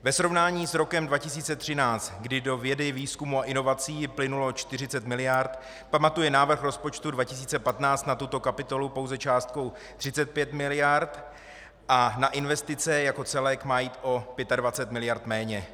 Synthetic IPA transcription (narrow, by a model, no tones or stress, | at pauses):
vɛsɾo̞vnaːɲiːsɾo̞kɛmdvacɪsiːt͡sɛt̪r̥ɪnaːt͡st̪ɡdɪdo̞vjɛdɪviːskumuaʔɪno̞vat͡siːplɪnulo̞t͡ʃt̪ɪrɪt͡sɛt̪mɪlɪjaɾt̪ | pamat̪ujɛnaːvr̩xɾo̞spo̞t͡ʃt̪udvacɪs̬iːt͡sɛpat̪naːt͡st̪nat̪ut̪o̞kapɪt̪o̞lupo̞wzɛt͡ʃaːst̪̚ko̞w | t̪r̥ɪt͡sɛt̪̚pjɛt̪mɪlɪjaɾt̪ | ʔanaʔɪnvɛst̪ɪt͡sɛjako̞t͡sɛlɛkmaːjiːt̪ʔo̞pjɛt̪advat͡sɛt̪mɪlɪjaɾt̪mɛːɲɛ